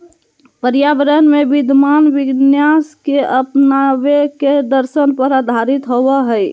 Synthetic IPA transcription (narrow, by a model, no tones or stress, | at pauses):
pəɾjabɾənmebid̪ʱmanʋiɡnjaskeəpnabeked̪əɾsənpəɾad̪ʱaɾit̪ɦobəɦəj